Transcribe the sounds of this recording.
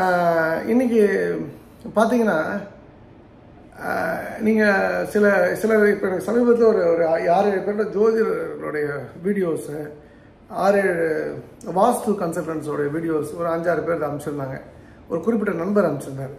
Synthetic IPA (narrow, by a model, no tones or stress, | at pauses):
ɪ̰nːɪk̬ʲːɯ | paːɾt̪̬iːŋɡɐnːaː | niːŋɡɐsɪlɐsɪlɐɪpːoːɛnɐkːɯsɐmiːbɐt̪̬ːɪlɔɾɯɔɾɯaːɾeːɻɯpeːɾlɐd͡ʒoːd͡ʒɐɾlɔ̰ɽɐjɐʋiːɽɪjoːs | aːɾeːɻɯ | ʋaːst̪ɯkɐnsɐlʈɐɳsɔɽɐjɐʋiːɽɪjoːsɔɾɯɐɲd͡ʒaːɾɯpeːɾðɐɐmɪt͡ʃːɯɾɯnd̪aːŋɡɐ | ɔɾɯkʊɾɪp̬ːɪʈːɐnɐnbɐɾɐmɪt͡ʃːɾɯnd̪ɐ